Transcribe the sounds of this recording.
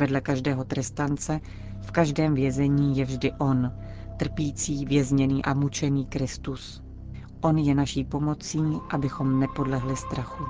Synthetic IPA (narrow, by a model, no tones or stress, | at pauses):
vɛdlɛkaʒdɛːɦo̞t̪ɾɛst̪ant͡sɛ | fkaʒdɛːmvjɛzɛɲiːjɛvʒdɪʔo̞n | t̪r̩piːt͡siːvjɛzɲɛniːʔamut͡ʃɛniːkɾɪst̪us | ʔo̞njɛnaʃiːpo̞mo̞t͡siːʔabɪxo̞mnɛpo̞dlɛɦlɪst̪ɾaxu